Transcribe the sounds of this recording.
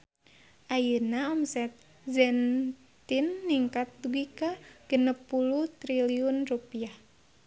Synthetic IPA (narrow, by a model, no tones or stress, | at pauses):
ʔajənaɔmsɛt̪̚ | zɛn | t̪inːiŋkat̪̚duɡikaɡ̥ənəpːuluht̪ɾiliunrupiah